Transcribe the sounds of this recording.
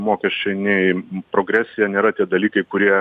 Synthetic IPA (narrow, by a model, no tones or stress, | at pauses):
moːkʲɛʃʲt͡ʃʲɛɪnʲɛɪpɾoːɡɾʲæːsʲɪjɛnʲeːɾɐt̪ʲiɛd̪ɐlʲiːkɐɪkʊɾʲiɛ